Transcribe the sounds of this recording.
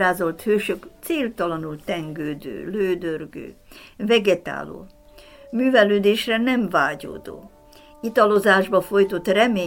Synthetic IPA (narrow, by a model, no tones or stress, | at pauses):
aːzo̞lt̪høːʃøkt̪seːlt̪ɒlɒnult̪ɛŋɡøːd̪ø̰ːløːd̪ørɡø̰ːvɛɡɛt̪a̰ːlo̰ː | myːvɛløːd̪eːʃrɛnɛɱvaːɟo̰ːd̪o̰ː | it̪ɒlo̞zaːʒbɒfo̞jt̪o̞t̪rɛmeː